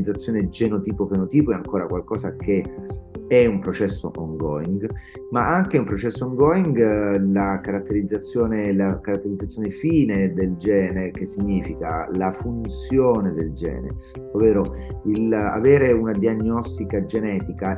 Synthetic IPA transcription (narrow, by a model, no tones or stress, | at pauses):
d̪zat̪sːjoːned͡ʒenot̪iːpopenot̪iːpoɛaŋkoːɾakwalkɔːsake | ɛumpɾot͡ʃɛsːo̰ʔɔŋɡɔ̰iŋɡ | maʔaŋkeumpɾot͡ʃɛsːooŋɡɔiŋɡlakaɾat̪ːeɾid̪zːat̪sːjoːnelakaɾat̪ːeɾid̪zːat̪sːjoːnefiːned̪eld͡ʒɛːneɾk̟esːiɲːiːfika̰lafunt̪sjoːned̪eld͡ʒɛ̰ːnḛ | ovːeːɾoila̰veːɾeunad̪iaɲːɔst̪ikad͡ʒenɛːt̪ika